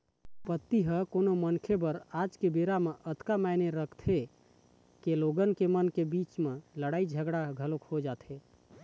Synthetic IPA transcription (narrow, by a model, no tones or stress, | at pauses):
pət̪ːiɦəkonomənkʰebəɾad͡ʒkebeɾameʔət̪kamajneɾəkʰt̪ʰe | keloɡənkemənkebit͡ʃmeləɽaid͡ʒʱəɡɽaɡʱəlokhod͡ʒat̪ʰe